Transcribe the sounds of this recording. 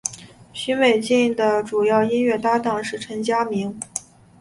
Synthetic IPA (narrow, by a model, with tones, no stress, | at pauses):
ɕy˥nwe˨˩ɪt͡ɕi˥˩ŋd̪ə˩ʈ͡ʂu˨˩jɑ˥˩ʊi˥nɥɛ˥˩t̪a˥t̪ɑ˥˩ŋʂɻ̩˥˩ʈ͡ʂʰə˧˥ŋt͡ɕja˥mi˧˥ŋ